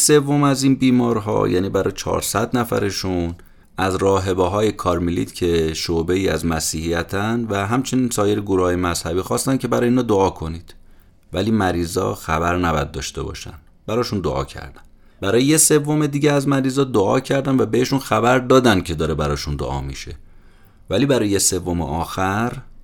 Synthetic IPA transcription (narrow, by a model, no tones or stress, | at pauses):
se̞vːo̞mæziːnbiːmɒːɾɦɒ̰jæ̰ːniːbæɾɒ̰jet͡ʃʰɒ̰ːɾsæd̪næfæ̰ɾe̞ʃun | æzɾɒːɦe̞beɦɒːje̞kʰɒɾmilḭt̪ʰcʰe̞ʃobe̞iːæ̰zmæsiːhijæt̪ʰænd̪væɦæmt͡ʃʰe̞niːnsɒːje̞ɾeɡuɾuhɒːjemæz̥hæbiːxɒːst̪æncʰe̞bæɾɒːjeiːnhɒːd̪oɒːkʰo̞niːd̪̥ | væliːmæɾiːzɒ̰ːxæbæɾnæbæ̰d̪̚ːɒ̰ːʃt̪e̞̰bɒ̰ːʃæ̰nd̪ | bæɾɒːʃund̪oʔɒ̰ːcʰæ̰ɾd̪̥æn | bæɾɒːjejese̞vːo̞me̞d̪iːɟeæzmæɾiːzɒːd̪oɒ̰ːcʰæɾd̪ænvæbeheʃunxæbæɾd̪ɒːd̪ænd̪̚cʰe̞d̪ɒːɾebæɾɒːʃund̪o̰ʔɒ̰ːmḭʃe̞̰ | væliːbæɾɒːjjese̞vːo̞mḛʔɒːxæɾ